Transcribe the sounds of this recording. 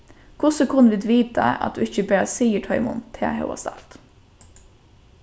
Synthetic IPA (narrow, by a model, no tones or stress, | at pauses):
kʰʊsəkʰʊnəʋɪd̪ʋiːt̪ʰɑ̰ɑ̰t̪̚d̪ʉːɪçəbæːɾɑsiːəʈʰɑɪmṵːnt̪ʰːḛːhɑ̰ʊɑ̰st̪ɑ̰lt̪